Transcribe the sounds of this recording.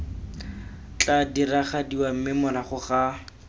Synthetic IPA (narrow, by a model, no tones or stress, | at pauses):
t͡ɬadiraχadiwam̩mɪmʊlaχʊχa